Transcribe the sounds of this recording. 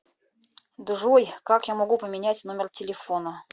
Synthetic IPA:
d̪ɨʐojkakjamɐɡupəmʲɪnʲætʲnomʲɪrtʲɪlʲɪfonə

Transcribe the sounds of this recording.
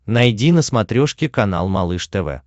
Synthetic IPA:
nɐjdʲinəsmɐt̪ɾʲoʂkʲɪkɐna̰lˠmɐlˠɨʂt̪ɛvɛ̰

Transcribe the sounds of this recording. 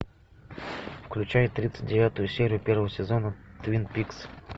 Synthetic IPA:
fklʲʉt͡ɕæjɪt̪ɾʲit̪sɨ̥t̚ʲdʲɪvʲat̪ʊjʊsʲeɾʲɪjʊpʲervəvəsʲɪzonət̪vʲinpʲiks

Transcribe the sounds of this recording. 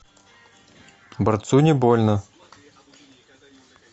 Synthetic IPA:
bərt̪sunʲɪbolʲnə

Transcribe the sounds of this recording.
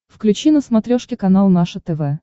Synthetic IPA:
fklʲʉt͡ɕinəsmɐt̪ɾʲoʂkʲɪkɐnalˠnaʂət̪ɛvɛ

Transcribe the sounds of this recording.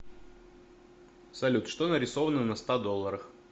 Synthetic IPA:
sɐlʲut̪ʂt̪onəɾʲɪsovənənəst̪ad̪olˠːəɾəx

